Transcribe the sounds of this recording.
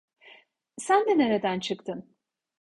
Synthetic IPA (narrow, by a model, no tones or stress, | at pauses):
sænd̪ɛneɾed̪ænt͡ʃʰɯkt̪ʰɯn